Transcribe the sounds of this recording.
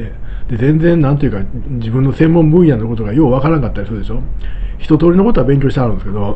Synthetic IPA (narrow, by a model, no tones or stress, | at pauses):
ed̪̥e̞zẽ̞nd͡zẽ̞nːãnt̪o̞jɯ̟ka | d͡ʑibɯ̟̃nːo̞sẽ̞mːõ̞mbɯ̟̃ɰ̃janːoko̞t̪o̞ɡajo̞ːβakaɾãŋkat̪ːaɾisoːd̪e̞ɕo̞çi̥t̪o̞t̪o̞ːɾinoko̞t̪o̞abeŋkʲoːɕit̪aɾɯ̟̃nd̪esɨ̥ke̞d̪o